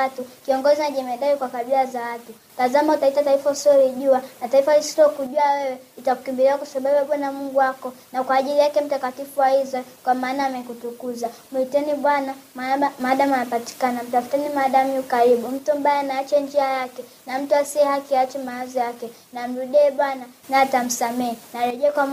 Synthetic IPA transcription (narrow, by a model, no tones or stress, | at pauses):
atukiɔŋɡɔzinaʄɛmɛndaɛkwakaɓilazawatu | tazamautaitataifausɔliʄuanataifalisi̥tɔkuʄuawɛwɛ | itakukimbiliakwasaɓawaɓanamuŋɡuwakɔnakwaːʄilijakɛm̩takatifuwaizɛkwamaːnaːmɛkutukuzamuitɛniɓwanamamaɗamanapati̥kanam̩tafu̥tɛnimaɗamiukaɾiɓum̩tumbajanaat͡ʃɛnd͡ʒiajakɛ | nam̩tuasiɛhakiat͡ʃɛmaazɔjakɛ | nam̩ɾuɗɛɛɓwana | naːtam̩samɛɛnaɾɛʄɛɛkwa